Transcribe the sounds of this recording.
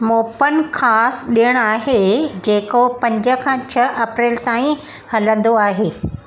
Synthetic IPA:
moːpənkʰaːsɗiəɽ̃aːɦed͡ʑeːkopɐ̃ɲd͡ʑə̆kʰãːt͡ɕʰɐʔɐpɾeːlt̪aːĩ | hɐlə̃nd̪oaːɦeː

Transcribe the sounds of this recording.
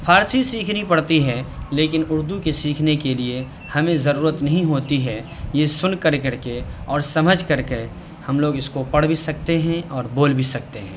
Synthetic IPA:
pʰaːɾsisiːkʰnipɐɽ̤t̪iɦɛleːkɪnʊɾd̪ukesiːkʰnekelie | hɐmẽzɐɾuːɾət̪nɐɦĩɦoːt̪iɦɛ | jesʊnkəɾkəɾkeɔːɾsɐməd͡ʒʱkɐɾke | hɐmloːɡɪskopɐɽ̤bisɐkt̪eɦɛ̃ɔːɾboːlbʱisɐk̚t̪eɦɛ̰̃ː

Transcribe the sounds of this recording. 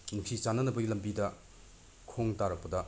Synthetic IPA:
nuk̚sit͡ʃanɐnɐpɐɡilɐmbidɐ | kʰoŋtaɾɐk̚pɐdɐ

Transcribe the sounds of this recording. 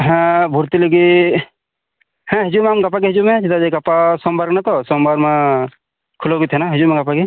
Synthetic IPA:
ɦɛ̃bʱuɾt̪ileɡi | hɛ̃ɦɪd͡ʒumẽɐmɡɐpaɡiɦɪd͡ʒumẽd͡ʒɪt̪ad͡ʒeɡɐpasɔmbəɾɡnat̪osɔmbəɾme | kʰʊloɡit̪ʰenaɦɪd͡ʒumẽɡɐpaɡi

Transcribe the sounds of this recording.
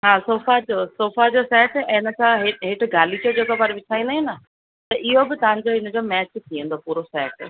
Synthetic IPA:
ɦaːsoːfad͡ʑoːsoːfad͡ʑosɛːʈɛ̃ɪnə̆kʰãɦeɦɪʈʰʊ̆ɡaːlit͡ɕod͡ʑeːkopɐɾʋɪtʰaːĩnd̪aɦĩnɐ | t̪ɐʔɪɦobɪt̪ɐʋ̤ãɲd͡ʑoɪnə̆d͡ʑoːmɛːt͡ɕt̪ʰiə̃n̆d̪opuːɾosɛːʈ

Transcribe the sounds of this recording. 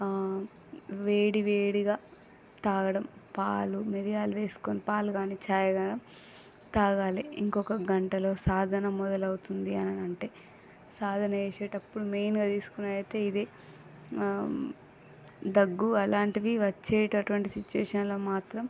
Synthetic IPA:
ʋeːɽiʋeːɽiɡaː | t̪aːɡɐɽɐmpaːlumiɾijaːlʋe̞ːsu̥koːnipaːluɡaːniːt͡ʃaːjɐɡɐɽɐm | t̪aːɡaːliiŋkɔkɐɡɐɳʈɐlo̞ːsaːd̪ʱɐnɐmːɔd̪ɐlɐwut̪und̪iɐnɐnɐɳʈe̞ː | saːd̪ʱɐnɐeːʃeːʈɐpːuɽumejnɡaːt̪iːsu̥kunɐːɐt̪eːid̪eː | d̪ɐɡːuɐlaːɳʈiʋiʋɐt͡ʃːɛːʈɐʈuʋɐɳʈisit͡ʃuʋḛːʂɐnlo̞ːmaːt̪ɾɐm

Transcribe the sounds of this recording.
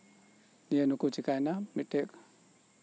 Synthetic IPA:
nijenukut͡ʃikajnamiʈːek

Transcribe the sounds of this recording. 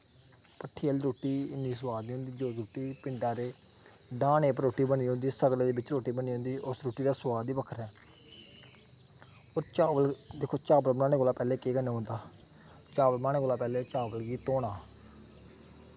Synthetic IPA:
pəʈʰːiːəlːɾoːʈiːɪniːsəwaːd̪niːɦʊ̃ːnd̪iːd͡ʒoːd͡ʒɾoːʈiːpɪɳɖaːɾeː | ɖãːneːpəɾoːʈːiːbəniːɦõːnd̪iːsəɡleːd̪eːbɪt͡ʃɾoːʈːiːbəniːɦʊ̃nd̪iːʔʊsɾoːʈiːd̪aːswaːd̪iːbəkʰəɾɛː | oːɾt͡ʃaːʋəld̪ɪkʰːoːt͡ʃaːbəlmnaːnẽːkoːlaːpɛːleːkeːkəneːɦõːnd̪aː | t͡ʃaːʋəlmaːñeːkoːlaːpɛːleːt͡ʃaːbəlɡiːt̪oːɽaː

